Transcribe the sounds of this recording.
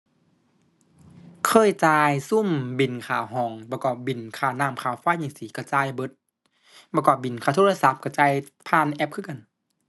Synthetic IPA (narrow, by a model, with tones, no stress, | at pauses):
kʰɤː˧˥˨jt͡ɕaː˧jsu˧˥˨mbi˨˩nkʰaː˨˩wɦɔː˨˦ŋpɔː˧kɔː˧˩p̚bi˨˩nkʰaː˧˩wnaː˧˩˨mkʰaː˨˩wfa˧˥˨jɲi˧˩ŋsiː˨˦kɔ˧˩t͡ɕaː˧˨jbɤ˧˦t̪̚ | ba˧kɔː˧˩bi˨˩˨nkʰaː˧˩t̪ʰːa˧sa˧˦p̚ka˧˩t͡ɕaː˧˨j | pʰaː˧˩˨nʔɛ˧˦p̚kʰɯ˧˥˨ka˧˨n